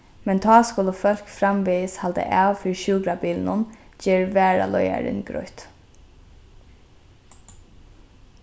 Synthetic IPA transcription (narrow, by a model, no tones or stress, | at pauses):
mɛnt̪ʰɑːskʊləfœl̥kfɾamʋiːshalt̪ə̰ʔaːwfɪɹʃuːɡɾabiːlnʊnd͡ʒeːɹʋæːɹa̰lɔja̰ɾɪ̰nɡɾɔ̰ʏt̪